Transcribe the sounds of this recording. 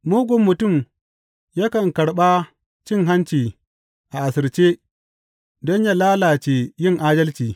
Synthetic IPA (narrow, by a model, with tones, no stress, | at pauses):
moː˦ɡʷɔ˨mːʊ˨tʊ˦˨m | ja˦kɐ˨ŋkɐ˨ɽɓa˦ | t͡ʃɪ˦˨ŋɦa˦nt͡ʃiː˨ | ʔa˨ʔa˨sɪ˨ɽt͡ʃeː˦ | dɔ˦ɲja˦laː˦laː˨t͡ʃe˨jɪ˦ŋʔaː˦dɐ˦lt͡ʃiː˨